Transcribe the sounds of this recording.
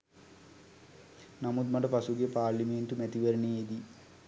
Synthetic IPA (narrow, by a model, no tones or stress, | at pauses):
namud̪maʈəpasuɡepaːɾliment̪umɛt̪iʋeɾəneed̪i